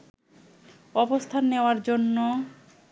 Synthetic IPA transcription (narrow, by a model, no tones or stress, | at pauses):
ɔbost̪ʰanːeoaɾd͡ʑonːo